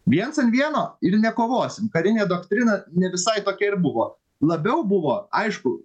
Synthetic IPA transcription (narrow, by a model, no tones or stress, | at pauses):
ʋʲiɛnsɐnʋʲiɛnoːɪɾnʲɛkoːʋoːsʲɪmkɐɾʲɪnʲeːd̪oːkt̪ʲɾʲɪnɐnʲɛʋʲɪsɐɪt̪oːkʲɛɪɾbʊʋoː | lˠɐbʲɛʊbʊʋoːɐɪʃkʊ